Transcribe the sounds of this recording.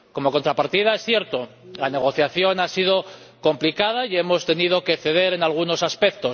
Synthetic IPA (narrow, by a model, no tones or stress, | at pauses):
ko̞mo̞ko̞nt̪ɾapaɾt̪ið̞aesθje̞ɾt̪o̞lane̞ɣ̞o̞θjaθjo̞nasiðo̞ | ko̞mplikað̞aie̞mo̞st̪e̞nið̞oke̞θeðe̞ɾe̞nalɣuno̞saspe̞kt̪o̞